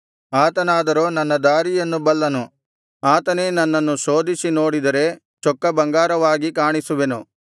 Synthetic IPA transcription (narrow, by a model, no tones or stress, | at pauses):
aːt̪ɐnaːd̪ɐɾoːnɐnːɐd̪aːɾijɐnːubɐlːɐnu | aːt̪ɐne̞ːnɐnːɐnːusoːd̪isino̞ːɽid̪ɐɾe̞ | t͡ʃɔkːɐbɐŋɡaːɾɐʋaːɡikaːɳisuʋenu